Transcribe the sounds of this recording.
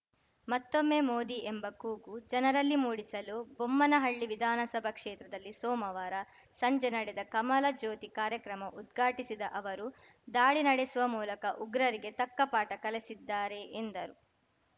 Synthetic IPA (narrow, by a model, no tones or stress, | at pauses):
mɐt̪ːomːe̞ːmoːd̪iʔembɐkuːɡud͡ʒɐnɐɾɐlːimuːɽisɐlubomːɐnɐɦɐɭːiʋid̪ʱaːnɐsɐbʱɐkʂɛːt̪ɾɐd̪ɐlːisɔːmɐʋaːɾɐ | sɐɲd͡ʒenɐɽɛd̪ɐkɐmɐlɐd͡ʒoːt̪ikaːɾjɐkɾɐmɐʔud̪ɡʱaːʈisid̪ɐʔɐʋɐɾu | d̪aːɭinɐɽesuʋɐmuːlɐkɐʔuɡɾɐɾiɡe̞t̪ɐkːɐpaːʈɐkɐlɐsid̪ːaːɾe̞ʔːnd̪ɐɾu